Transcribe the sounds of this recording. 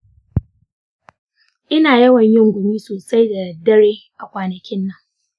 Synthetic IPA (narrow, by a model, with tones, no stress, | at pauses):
ʔɪ˦naː˨jɐ˦wɐ˨ɲjɪ˦ŋɡʷʊ˨miː˦soː˨sa˦jda˨dɐ˦ɽeː˦ʔa˨kʷaː˨nɐ˨kʲɪ˦nːɐ˦ŋ